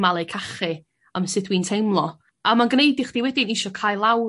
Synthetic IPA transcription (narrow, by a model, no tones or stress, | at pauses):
malˠɨkʰaχɨ | amsɨθwiːntʰejmlˠɔ | amanɡnejdɪχd̥iwɛdɪnɪʃɔkʰaːjlˠaw